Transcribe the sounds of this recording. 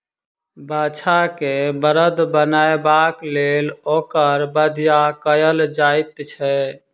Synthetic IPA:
bʱat͡ʃʰakebəɾəd̪ʱbənaebaklelokəɾbəd̪ʱjakəjəld͡ʒait̪t͡ʃʰɛ

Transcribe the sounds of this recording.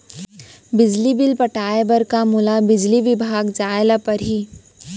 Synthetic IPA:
bɪd͡ʒlibɪlpɐʈʰaːebɐɾkamʊlabɪd͡ʒliʋɪbʱaːɡd͡ʒaːlapɐɾɦiː

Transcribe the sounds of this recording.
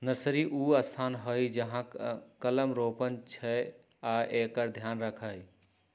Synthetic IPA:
nəɾsəɾiʔuːɐst̪ʰaːnɦəjd͡ʒəɦãkɐləmɾoːpənt͡ʃʰɛ | aʔekəɾd̪ʱjaːnɾəkʰaːj

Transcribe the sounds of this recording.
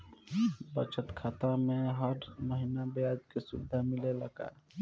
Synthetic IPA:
bət͡ʃət̪kʰat̪ameɦəɾməɦinabead͡ʒkesud̪ʱːamileləka̰

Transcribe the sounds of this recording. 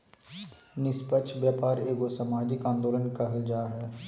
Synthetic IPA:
nɪspətːʃʰʋjaːpaːɾeːɡosəmaːd͡ʒɪkãːnd̪oːlənkɐɦəld͡ʒaːɦɛː

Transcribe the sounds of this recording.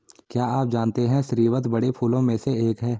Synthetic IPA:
kjaːaːp̚d͡ʒaːnt̪eɦɛ̃ʃɾiːʋət̪bɐɽepʰuːlõmẽseeːkɦɛː

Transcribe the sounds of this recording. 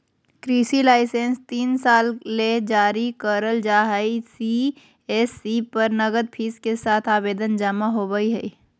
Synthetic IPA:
kɾiːsilaːɪsẽnst̪iːnsaːlːed͡ʒaːɾikəɾəld͡ʒaːɦaisi | esipəɾnəɡəd̪̚pʰiːskesaːt̪ʰaːbeːd̪ənd͡ʒamaɦobəiɦɛi

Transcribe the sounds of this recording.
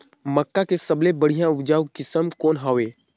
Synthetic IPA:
məkːakesəblebəɽ̤ijãʊpd͡ʒaːukɪsəmkɔːnɦaːʋeː

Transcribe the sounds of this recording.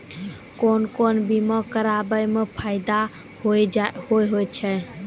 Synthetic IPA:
konkonbimɔkəɾabəjmepʰaɪd̪a | hojhojɦojt͡ʃʰɛ

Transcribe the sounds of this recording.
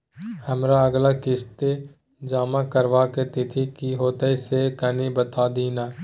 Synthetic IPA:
həmɾaəɡlakɪst̪e | d͡ʒaːmakəɾʋaket̪ɪt̪ʰikiɦoːt̪əisekənibət̪aːd̪iːnaː

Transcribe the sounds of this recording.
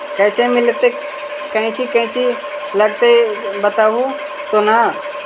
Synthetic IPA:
kɛːsemɪlt̪e | kɐɦĩt͡ʃʰikɐ̃ɦɪ̃t͡ʃʰi | ləɡ̚t̪ebət̪aɦũ | t̪ona

